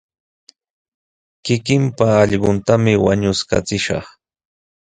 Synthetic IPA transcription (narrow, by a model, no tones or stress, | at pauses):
kɪkɪmpaɑʎɢʊnt̪amɪwaɲʊska̰t͡sɪʃɑ̰χ